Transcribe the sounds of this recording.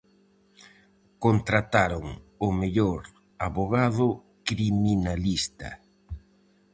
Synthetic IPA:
kont̪ɾat̪aɾoŋ | ʊmeʎoɾ | aβoɣaðʊ | kɾiminalist̪ɐ̰

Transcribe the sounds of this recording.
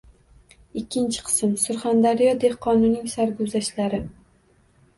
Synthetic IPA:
ɪkʲʰːɪnt͡ʃʰɪ̥qʰɨ̥sɪmsʊɾχand̪aɾijɒd̪e̞hqʰɒnʊnːɪŋsaɾɡozaʃlaɾɪ

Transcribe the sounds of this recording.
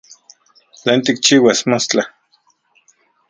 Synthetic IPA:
t͡ɬeːnt̪ik̚t͡ʃiːwasmost͡ɬa

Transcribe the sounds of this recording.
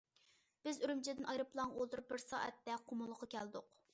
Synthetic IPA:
b̥ɪzyɾymt͡ʃʰɪd̪ɪnʔɑjɾɨplˠɑŋʔolˠt̪uɾup̚bɪɾsɑ̰ːʔɛ̰t̪ːɛqʰomʊlˠəqʰɑkʲɛld̪ʊq

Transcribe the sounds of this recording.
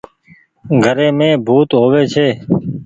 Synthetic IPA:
ɡʱəɾẽːmẽːbʱuːt̪ɦoːʋeːt͡ʃʰeː

